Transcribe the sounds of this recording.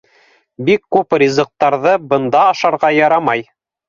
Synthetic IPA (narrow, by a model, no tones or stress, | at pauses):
bikːʉprʲizɤ̆q̚t̪ːɑɾðɤbɤ̆nd̪ɑːʃɑɾʁɑjɑɾɑmɑj